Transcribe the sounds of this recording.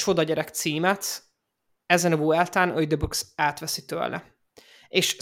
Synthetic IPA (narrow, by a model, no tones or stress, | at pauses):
ʃo̞d̪ɒɟɛɾɛkt̪siːmɛt̪ | ɛzɛnɒbuːɛlt̪aːnʔøjd̪eboksaːt̪ʋɛsit̪ø̰lʔɛ̰ | eːʃ